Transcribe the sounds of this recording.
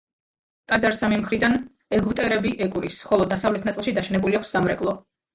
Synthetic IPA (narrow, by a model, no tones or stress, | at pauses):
t̪ʼad̪zaɾsamimχɾid̪an | ɛɡut̪ʼɛɾɛbiʔɛkʼɾisχɔlˠɔd̪asavlɛt̪ʰnat̪sʼlˠʃid̪aʃɛnɛbuliakʰsːamɾɛkʼlˠɔ